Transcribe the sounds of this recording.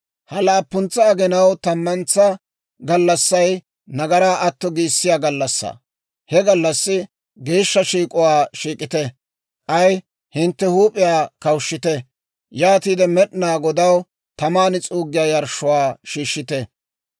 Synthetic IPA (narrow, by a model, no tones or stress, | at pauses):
hɐlaːpːʊnt͡sːɐːɡɛnɐwt̪ɐmːɐnt͡sːɐ | ɡɐlːɐsːɐj | nɐɡɐɾaːʔɐt̪ːɔɡiːsːɪjaːɡɐlːɐsːa̰ː | hɛɡɐlːɐsːɪ | ɡe̞ːʃːɐʃiːkʼʊwaːʃiːkʼɪt̪ɛ | ʔɐj | hɪnt̪ːɛhuːpʼɪjaːkɐwʃːɪt̪ɛ | jaːt̪iːd̪ɛmɛɗnaːɡɔd̪ɐw | t̪ɐmaːnɪt͡sʼuːɡːɪjaːjɐɾʃːʊwaːʃiːʃːɪt̪ɛ